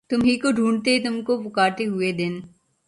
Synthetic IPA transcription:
t̪ʊmɦikoɖʱuːɳɖt̪et̪ʊmkopʊkaːɾt̪eɦʊed̪ɪn

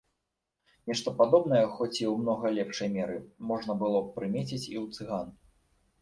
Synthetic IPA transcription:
nʲɛʂt̪ɔpad̪ɔbn̪ɐjɐxɔt͡sʲiwmnɔɣɐlʲɛpʂɐjmʲɛɾɨmɔʐnɐbɨlˠɔpɾɨmʲet͡sʲit͡sʲḭlut̪sɨɣan

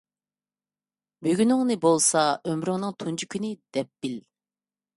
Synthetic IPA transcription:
bøɡʲynɪŋnɨbolˠsɑømɾyŋnɨŋt̪ʰund͡ʒʰikʲʰynɪd̪̥ɛp̚b̥il

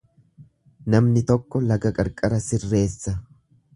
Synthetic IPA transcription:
nɐmnɪt̪ɔkːɔlɐɡɐkʼɐɾkʼɐɾɐsɪrːe̞ːsːɐ

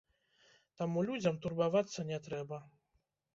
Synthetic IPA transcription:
t̪amulʲud͡zʲɐmt̪urbavat̪sːɐnʲɛt̪ɾɛbɐ

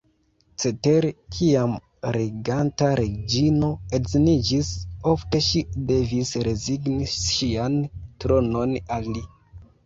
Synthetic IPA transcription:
t͡se̞te̞ɾekʰiam | ɾeɡantaɾed͡ʒino̞eznid͡ʒiso̞fte̞ʃide̞visɾe̞ziɡniʃʃiantɾo̞no̞nalːi

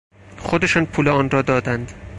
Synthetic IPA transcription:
χod̪e̞ʃɒːnpʰuːlɛɒːnrɒːd̪ɒːd̪ænd̪̥

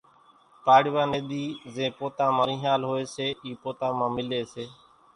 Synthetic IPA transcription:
paːɽɪʋãːneːd̪iːzẽːpoːt̪ãːmãːɾĩːɦaːlɦoːeːseːʔiːpoːt̪ãːmãːmɪleːseː

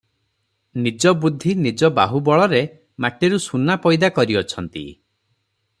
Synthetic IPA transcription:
nid͡ʒɔbud̪ʱːinid͡ʒɔbaɦubɔɭɔɾe | maʈeɾusunapɔjd̪akɔɾiɔt͡ʃʰɔnt̪ḭ

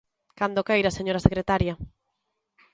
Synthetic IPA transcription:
kand̪okejɾaseɲoɾasekɾet̪aɾjɐ

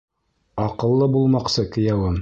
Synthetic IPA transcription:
ɑqɤ̆lˠːɤbulˠmɑqsɤkɘ̆jæwɘm

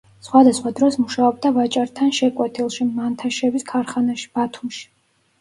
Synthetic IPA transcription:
sχwad̪asχwad̪ɾɔsmuʃaɔb̚d̪avat͡ʃʼaɾt̪ʰanʃɛkʼwɛt̪ʰilˠʃimant̪ʰaʃɛbiskʰaɾχanaʃi̥b̥at̪ʰumʃi̥

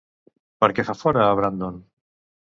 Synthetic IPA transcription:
paɾkefafoɾaːβɾand̪on

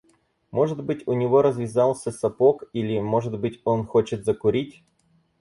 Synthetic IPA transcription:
mo̞ʐɨd̪bɨtʲʊnʲɪvo̞ɾəzʲvʲɪzɑlˠsʲəsɐpokilʲɪmoʐɨd̪bɨtʲonxot͡ɕɪt̪zəkʊɾʲitʲ

